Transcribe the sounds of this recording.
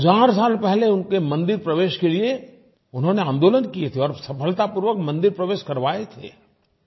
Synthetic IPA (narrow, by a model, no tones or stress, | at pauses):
zaːɾs̬aːlpɛɦleʊnkemɐ̃nd̪ɪɾpɾɐʋeːʃkelie | ʊnɦõneãːnd̪oːlənkiet̪ʰeɔːɾsɐpəlt̪apʊɾʋəkmɐ̃nd̪ɪɾpɾɐʋeːʃkɐɾʋaːet̪ʰḛː